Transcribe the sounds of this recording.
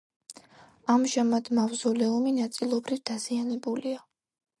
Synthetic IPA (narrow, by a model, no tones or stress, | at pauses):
amʒamad̪̥mavzɔlɛuminat̪sʼilˠɔbɾivd̪azianɛbulia